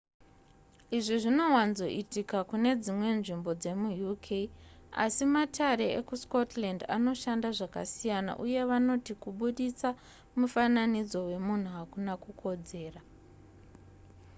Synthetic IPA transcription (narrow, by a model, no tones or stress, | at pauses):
iʐiʐino̞wanzo̞̰ʔitikakune̞d͡zimwe̞nʐimbo̞d͡ze̞mujukʰeia̰simatʰaɾe̞ḛkusko̞tlanda̰no̞ʃandaʐaka̰sijana̰ʔuje̞ʋano̞tikuɓuɗit͡sa | mufananid͡zo̞we̞mun̤uɦakunakukʰo̞d͡ze̞ːra